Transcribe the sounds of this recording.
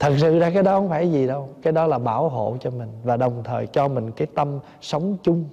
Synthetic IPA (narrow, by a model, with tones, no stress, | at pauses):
t̪ʰə˨˩k̚sɨ̰˧˨zaː˧kaː˨˦jɗɔ˨˦ʔə˧˦ŋ͡mfaː˧˩jzi˨˩ɗə˧wkaː˨˦jɗɔ˨˦laː˨˩ɓaː˧˩wɦo̰˧˨t͡ɕɔ˧mï˨˩ŋ̟vaː˨˩ɗə˨˩wŋ͡mt̪ʰəː˨˩jt͡ɕɔ˧mï˨˩ŋ̟kaː˨˦jt̪ə˧m | sə˨˦wŋ͡mt͡ɕʊ˧ŋ͡m